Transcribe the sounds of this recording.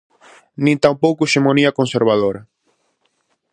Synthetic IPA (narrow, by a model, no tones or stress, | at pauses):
nĩnt̪ampowkueʃemõniɐkonseɾβ̞aðoɾɐ